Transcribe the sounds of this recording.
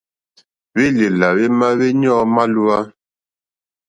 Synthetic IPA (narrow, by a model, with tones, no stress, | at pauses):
βe˦le˨la˨βe˦ma˦βe˦ɲɔ̃˦ma˦lu˦a˦